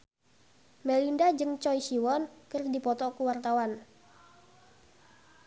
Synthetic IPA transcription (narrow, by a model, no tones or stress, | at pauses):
mɛlindad͡ʒɨŋt͡ʃɔjsiwɔnkərdipɔt̪ɔkuwart̪awan